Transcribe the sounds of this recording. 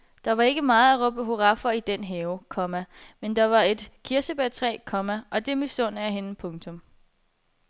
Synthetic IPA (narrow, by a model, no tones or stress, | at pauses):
d̥ɑ̈ʋɑ̈e̝ɡ̥əmɑ̈ːð̩ˠæʁɔ̽b̥əɦo̝ʁɑ̈fɐid̥enɦɛːʊkʰɒ̽mæmend̥ɑ̈ʋɑ̈e̝d̥kʰiɐsəb̥æt͡sʰʁɛ̰ːkʰɒ̽mæʔɒ̽d̥e̝mysɔ̽n̰æɦe̝nəpʰɔ̽ŋt͡sʰɔ̽m